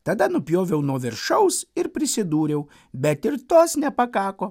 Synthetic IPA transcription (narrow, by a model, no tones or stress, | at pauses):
t̪ɐd̪ɐnʊpʲjoːʋʲɛʊnuɔʋʲɪɾʃɐʊsɪɾpʲɾʲɪsʲɪd̪uːɾʲɛʊ | bʲɛt̪ɪɾt̪oːsnʲɛpɐkɑːkoː